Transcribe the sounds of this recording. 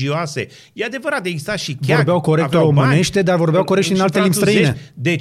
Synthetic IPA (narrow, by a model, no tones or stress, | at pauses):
ioasḛ | jead̪e̞vəɾat̪̚d̪eɡzist̪aʃivo̞rbeawko̞ɾekt̪ooməne̞ʃt̪e̞d̪arvo̞rbeawkoɾekt̪ʃinalt̪elimbsst̪ɾəined̪e